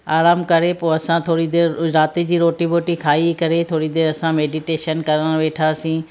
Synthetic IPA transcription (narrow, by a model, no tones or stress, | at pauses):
aːɾaːmkɐɾepoːɐsãt̪ʰoːɽid̪eːɾʊɾaːt̪id͡ʑiːɾoːʈiboːʈikʰaːikɐɾet̪ʰoːɽid̪eːɾɐsãmeːɖiʈeːʃənkɐɾəɽ̃ʋeːʈʰaːsĩː